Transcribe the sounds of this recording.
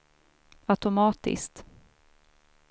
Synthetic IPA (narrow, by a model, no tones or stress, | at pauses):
at̪ʊmɑːt̪ɪ̰skt̪